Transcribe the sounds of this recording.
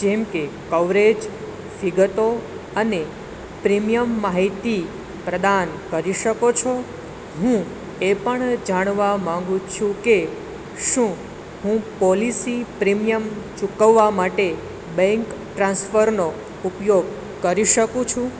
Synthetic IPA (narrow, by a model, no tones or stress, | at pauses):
d͡ʒɛmkekəʋɾed͡ʒ | ʋiɡət̪o | əne | pɾimijəmːaɦit̪i | pɾəd̪ankəɾiʃəkot͡ʃʰo | ɦũ | epəɳd͡ʒaɽ̃ʋamãŋɡũt͡ʃʰũke | ʃũ | ɦũpɔlisipɾimijəmt͡ʃukəʋːamaʈe | bɛ̃ŋkʈɾãnsfəɾno | upjoɡ | kəɾiʃəkũt͡ʃʰũ